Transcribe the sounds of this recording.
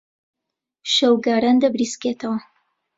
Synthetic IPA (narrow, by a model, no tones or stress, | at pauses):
ʃɐwɡaːɾand̪ɐbɾisket̪ʰɐwɐ